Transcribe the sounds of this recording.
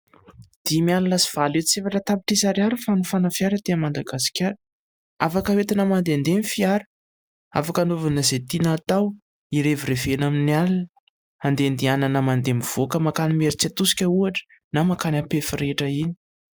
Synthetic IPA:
d̪̥imialulasiv̥alet̪t͡sefaʈ͡ʂət̪apiʈ͡ʂisaɾjaɾifanufanəfiaɾət̪eamand̪aɡasi̥kʲaɾ | afakəwet̪inamand̪eand̪enifiaɾə̥ | afakanovanəzet̪inat̪aw | iɾevirevenaminialn | and̪end̪iananəmand̪emiv̥okəmakanimeɾit͡sat̪usi̥kʲəuaʈ͡ʂə̥ | namakanapefiɾeʈ͡ʂəini̥

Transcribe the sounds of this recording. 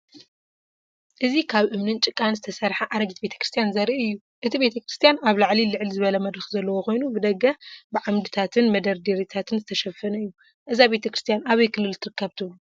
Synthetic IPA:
ʔɨzikʰaβʔɨmnɨnt͡ʃʼɨkʼːanzɨt̪ʰɐsɐɾħaʔaɾɐɡit̪̚be̞t̪ʰɐ̥kɾɨst̪ʰijanzɐɾiʔɨjːu | ʔɨt̪ʰibe̞t̪ʰɐkɾɨst̪ijanaβlaʕlilɨʕlizɨβɐlɐmɐd̪ɾɨxzɐlːɐwoko̞jnubɨd̪ɐɡɐbɨʕamd̪ɨt̪ʰat̪ʰɨnmɐd̪ɐɾd̪iɾit̪ʰat̪ʰɨnzɨt̪ʰɐʃɐfːɐnɐɨjːu | ʔɨzabe̞t̪ʰɐkɾɨst̪ijanaβɐjkʰɨlːɨlt̪ʰɨɾɨkːɐβt̪ʰɨβlu

